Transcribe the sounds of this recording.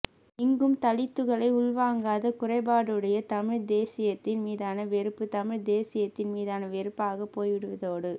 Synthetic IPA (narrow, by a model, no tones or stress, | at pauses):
ɪŋɡɯmt̪ɐlɪt̪ːɯɣɐɭɐɪʊɭʋaːŋɡaːðɐkʊrɐɪbaːɽɯɽɐjɐt̪ɐmɪɻd̪eːsɪjɐt̪ːɪnmiːðaːnɐʋɛɾɯpːɯt̪ɐmɪɻd̪eːsɪjɐt̪ːɪnmiːðaːnɐʋɛɾɯpːaːɣɐpoːjʋɪɽɯʋɐðoːɽɯ